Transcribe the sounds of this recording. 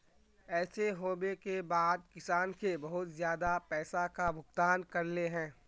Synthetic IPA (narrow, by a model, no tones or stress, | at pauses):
ɛːseɦoːbekebaːd̪̚kɪsaːnkebɐɦʊt̪zjaːd̪apɛːsakabʊɡt̪aːnkɐɾleɦɛ̃ː